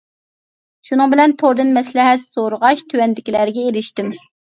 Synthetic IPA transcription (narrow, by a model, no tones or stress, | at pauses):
ʃunɨŋbɪlɛnt̪ʰoɾd̪ɨnmɛslɛɦɛt̪soɾəʁɑʃt̪ʰywɛnd̪ɪkʲilæɾɡʲɛeɾɪʃt̪ɪm